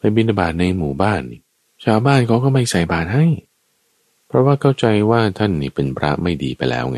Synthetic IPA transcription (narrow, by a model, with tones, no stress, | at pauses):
pa˧bi˧na˧baː˨˩t̪̚na˧jmuː˨˩˦baː˥˩nːi˨˩ | t͡ɕʰaː˧wbaː˥˩nkʰa˦˥wkʰa˥˩ma˧jsa˨˩jbaː˨˩t̪̚ha˥˩j | pʰɾɔ˦˥waː˥˩kʰa˥˩wt͡ɕa˧jwaː˥˩t̪ʰa˥˩nːiː˨˩pe˧npʰɾa̰˦˥ma˥˩jdḭː˧pa˧jlɛ̰ː˦˥wŋa˦˥